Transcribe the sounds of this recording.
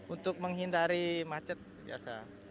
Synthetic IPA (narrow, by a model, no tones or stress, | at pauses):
unt̪ʊk̚məŋɦindaɾimat͡ʃət̪̚bḭa̰sa